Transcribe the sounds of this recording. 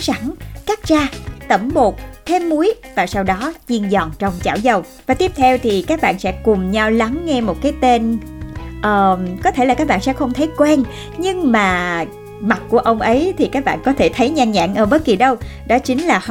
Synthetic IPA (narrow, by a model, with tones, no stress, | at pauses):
sa˧˩ŋkaː˦˥k̚t͡ɕaː˧t̪ə˧˩mɓo˨˩t̚t̪ʰe˧mːu˨˦əjvaː˨˩sa˧wɗɔ˨˦t͡ɕi˧ənzɔ˨˩nt͡ɕɔ˧wŋ͡mt͡ɕa̰ː˧˩wzə˧˩w | vaː˨˩t̪i˦˥əp̚t̪ʰɛ˧wt̪ʰi˨˩kaː˦˥k̚ɓa̰ː˧˨nsɛ̰˧˥kʊ˨˩mɲa˧wla˨˦ŋːɛ˧mo˨˩t̚kaː˨˦jt̪e˧n | ʔəː˨˩kɔ˨˦t̪ʰe˧˩laː˨˩kaː˦˥k̚ɓa̰ː˧˨nsɛ̰˧˥xə˧wŋ͡mt̪ʰə˨˦jkwɛ˧n | ɲɨ˧ŋmaː˨˩ | ma˨˩t̚ku˧˩əʔə˧wŋ͡mʔə˨˦jt̪ʰi˨˩kaː˦˥k̚ɓa̰ː˧˨nkɔ˨˦t̪ʰe˧˩t̪ʰə˨˦jɲaː˧nɲa̰ː˧˨ŋʔəː˧˩ɓə˦˥t̚ki˨˩ɗə˧w | ɗɔ˨˦t͡ɕï˨˦ŋ̟laː˨˩